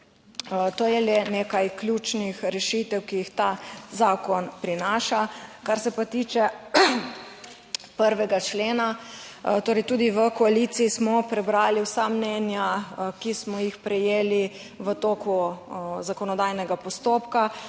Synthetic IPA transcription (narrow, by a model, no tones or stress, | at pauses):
t̪oːjɛlɛnekajklʲjut͡ʃnixɾɛʃit̪ɛwkijixt̪azaːkɔnpɾinaːʃakaɾsɛpat̪iːt͡ʃɛ | pəɾʋɛɡat͡ʃleːnat̪oːɾɛjt̪uːd̪iʋəkɔalit̪siːsmɔpɾɛbɾaːliwsamnɛnjakismɔjixpɾɛjeːli | ʋət̪oːkuzakɔnɔd̪ajnɛɡapɔst̪oːpka